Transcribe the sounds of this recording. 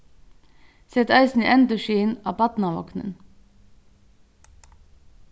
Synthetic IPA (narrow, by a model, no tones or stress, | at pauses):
sɛt̪œɪsn̩ḭːʔɛnd̪əʃiːnɑ̰ːpʰɑt̪nɑʋɔ̰knə̰n